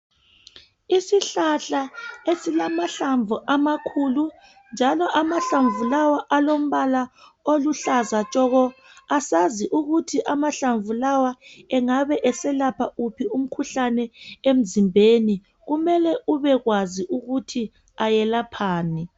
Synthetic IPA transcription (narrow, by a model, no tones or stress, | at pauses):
isiɬaɬaesilamaɬaɱvuʔamakʰulu | nd͡ʒʱalɔʔamaɬaɱvulawaʔalom̩βalaoluɬazat͡ʃʼɔɣɔ | asaziʔuɣutʰiʔamaɬaɱvulawaɛŋaβɛʔɛsɛlapʰaupʰium̩kʰuɬanɛem̩zimbʱeni | ɣumɛlɛʔuβɛɣwaziʔuɣutʰi | ajɛlapʰaːni